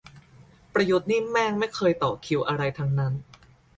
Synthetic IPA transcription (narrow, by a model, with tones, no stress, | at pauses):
pɾa˧ju˦˥t̪̚niː˥˩mɛː˥˩ŋma˥˩jkʰɤː˧jt̪ɔː˨˩kʰi˧wʔa˧ɾa˧jt̪ʰaː˧ŋna˦˥n